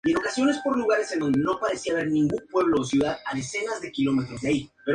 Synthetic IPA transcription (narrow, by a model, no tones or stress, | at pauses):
ie̞no̞kasjo̞ne̞spo̞ɾluɣ̞aɾe̞send̪o̞nd̪eno̞paɾe̞siaβe̞ɾnĩŋɡumpwe̞β̞lo̞ːsjuðaðaðe̞se̞nazðekilo̞me̞t̪ɾo̞zðeaipe